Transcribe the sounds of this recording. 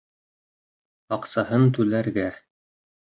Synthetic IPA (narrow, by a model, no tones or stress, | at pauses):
ɑqsɑhɤnt̪ʉlæɾɡæ